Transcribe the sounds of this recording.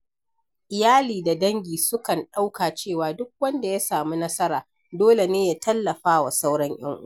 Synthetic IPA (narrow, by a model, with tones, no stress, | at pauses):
ʔɪ˨jaː˦liː˨da˨dɐ˦ŋɡʲiː˨sʊ˦kɐ˨nɗa˦wkaː˨t͡ʃeː˦˨waː˨dʊ˦k̚wɐ˦nda˨ja˦saː˨mu˦nɐ˦sɐ˦ɾaː˨ | doː˦le˨neː˦jaː˦tɐ˦lːɐ˨ɸaː˦wa˨sa˦wɽɐ˦ŋj̰ɐ̰˦ŋʔʊ̰˦a˨